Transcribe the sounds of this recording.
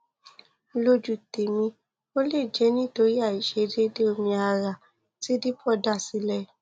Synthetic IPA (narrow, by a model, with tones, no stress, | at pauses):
lo˧d͡ʒu˨te˨mĩ˧ | o˦le˦˨d͡ʒɛ˨˦nĩ˦˨to˧ɾi˦a˦˨i˨ʃe˧˦de˦de˦o˧mĩ˧a˧ɾa˨ | ti˨˦di˦pɔ˦˨da˦˨si˨˦lɛ˦